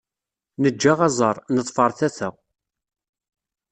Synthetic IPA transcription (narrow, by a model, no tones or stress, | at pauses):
nəd͡ʒːaʁɑzˤɑɾˤnəðˤfəɾˤθæθæ